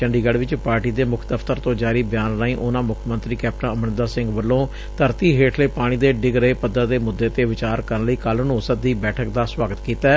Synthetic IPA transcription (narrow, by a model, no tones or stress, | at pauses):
t͡ʃəɳɖiːɡəɖʋɪt͡ʃpaːɾʈiːd̪eːmʊkʰd̪əfʰt̪əɾt̪õːd͡ʒaːɾiːbjaːnɾaːĩːʔoːnãːmʊkʰmə̃nt̪ɾiːkɛːp̚ʈənəmənəd̪aːsɪ̃ŋɡʋəlːõː | t̪əɾt̪iːɦeːʈʰleːpaːɽ̃iːd̪eːɖɪɡɾəɦeːpəd̪ãːd̪eːmʊd̪ːeːt̪eːʋɪt͡ʃaːɾkəɾənləiːkəlnõːsəd̪iːbɛːʈʰəkd̪aːswaːɡət̪kiːt̪aː